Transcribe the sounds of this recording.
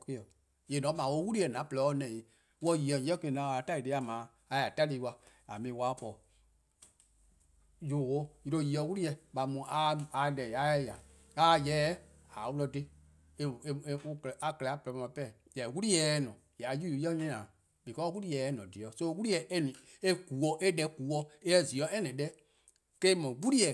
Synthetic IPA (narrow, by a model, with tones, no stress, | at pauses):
ke˦ɔ˨ | je˨nɔ̃˨˦mãː˨wo˧˦wu˦ɾi˦ɛ˨nã˨˦pə˨lɔ˨˦nɛ̃˨i˨ | wɔ˧˨ji˨ɔ˧˨˦ɛ˦ke˧˨nã˨a˨a˨ta˦˨i˨de˧˦a˨mãː˨˦ | a˧ja˨ta˦li˧˦˧wa˧ | a̰˨mĩː˨˦waː˨˦pɔ˨ | jo˨wo˦ji˧ɾo˧˨ji˨ɔ˧˨˦wu˦i˦jɛ˧ɓa˨mũ˧˨a˧a˧lɛ˨a˨˦ɛ˧ja˨ | kaː˦˨jɛː˨˦ | a˨˦wu˦lɔ˧de˦ | e˦˨˧u˧kɛ˨a˨kə˨lɛ˨a˦plɛ˨˧mã˧˦ã˧˦pɛ˦˨ | jɛ˨wu˦ɾi˦jɛː˨˦nɔ̃˨ja˨ju˦˨˦ɛ˦ɲɛ̃˦ãː˨ | bi˨kɔ˦wu˦ɾi˦jɛː˨˦nɔ̃˨di˨ɔ˨˦so˦wu˦ɾi˦jɛ˨ʔe˦nĩ˨ | e˦ku˨wɔ˧ʔe˦dɛ˧˦ku˨˦wɔ˧e˦ɛ˦˨zi˨ɔ̃˦ɛ˦nɛ̃˨dɛ˦ | ke˦mɔ̃˨wu˦ɾi˦jɛ˨